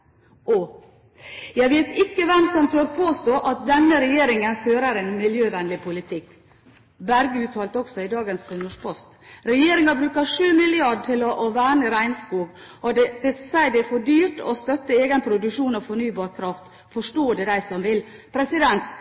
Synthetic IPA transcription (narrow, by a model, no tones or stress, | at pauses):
ʔɔ | jæɪʋeːt̪ɪkːəʋɛmsɔmt̪ʰøːɾpʰoːst̪oːʔɑt̪̚d̪ɛnːəɾɛjeːɾɪŋənføːɾəɾɛnmɪljøːʋɛnlɪpʰʊlɪt̪ʰɪkː | bæɾɡəʉːt̪ʰhɑːlt̪ɔksɔɪd̪ɑːɡənsːɔnːəʂpʰɔst̪ɾɛjeːɾɪŋɑbɾʉːkɑʂʉːmɪlɪɑɖʈʰɪlɔʔʋæːɳəɾæɪnskuːɡ | ɔd̪ɛd̪ɛsæɪd̪ɛfoːɖyːɾʈɔ̰st̪œt̪ːəeːɡənpʰɾʊd̪ʉkʂuːnɔfɔɳyːbɑːɾkʰɾɑft̪ | fɔʂʈoːd̪ɛd̪æɪsɔmʋɪlpʰɾɛsɪd̪ɛnt̪